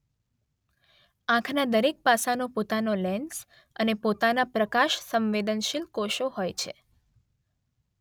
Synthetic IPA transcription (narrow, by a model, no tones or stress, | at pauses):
ãkʰnad̪əɾek̚pasanopot̪anolɛns | ənepot̪anapɾəkaʃsəmʋed̪ənʃilkoʃoɦojt͡ʃʰe